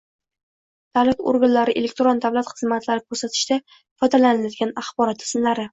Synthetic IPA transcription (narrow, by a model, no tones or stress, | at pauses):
d̪̥avlat̪o̰ɾɡanlaɾɪʔe̞lek̚ʲt̪ɾond̪avlat̪χɨzmat̪ʰlaɾɪkʰɵɾsat̪ʰɪ̥ʃt̪a | fɒjd̪alanɪlad̪ɪɡʲanaχbɒɾɒt̪ʰɪ̥sɪnlaɾɪ